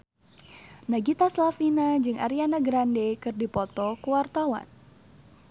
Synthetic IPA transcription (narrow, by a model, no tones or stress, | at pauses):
naɡit̪aslafinad͡ʒɨŋʔa̰ɾianaɡɾandɛkɨrdipɔt̪ɔkuwart̪awa̰n